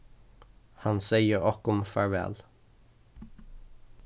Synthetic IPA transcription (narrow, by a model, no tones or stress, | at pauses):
hɑnseɪəɾɔkːɔmfæɹʋɛ̰ːl